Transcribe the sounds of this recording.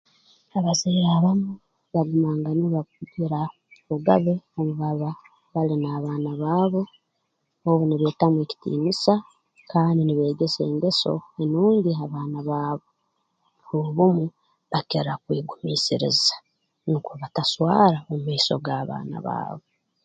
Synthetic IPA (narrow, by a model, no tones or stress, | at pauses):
aβaziaβamu | βaɡumaːŋɡaniβauɟiɾa | βuɡaβe̞omuβaβa | βalinaːβaːnaβaːβo̞ | oβuniβeːtamwe̞ːci̥tḭːnisa | kaːndiniβe̞ːɡe̞se̞ːŋɡe̞so̞̰enuːɲɟiaβaːnaβaːβo̞ | uuβumu | βakeɾakwiːɡumiːsiɾḭzḁ | nukuβataswaːɾaomumiːso̞̰ɡaːβa̰ːna̰βa̰ːβo̞